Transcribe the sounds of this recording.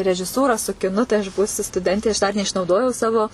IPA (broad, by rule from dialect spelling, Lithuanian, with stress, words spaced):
rʲɛʒʲɪˈsuːrɐ sʊ kʲɪˈnʊ tɐɪ ɐʃ ˈbuːsʲʊ stʊˈdʲɛnʲtʲeː ɐʃ dɐr nʲɛɪʃnɐʊˈdoːjɛʊ ˈsɑːʋoː